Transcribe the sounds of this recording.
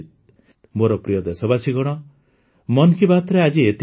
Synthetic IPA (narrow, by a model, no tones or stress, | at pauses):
t̪̚ | moɾɔpɾijɔd̪esɔbasiɡɔɽ̃ɔ | mɔnkʰibʱat̪ɾead͡ʒiet̪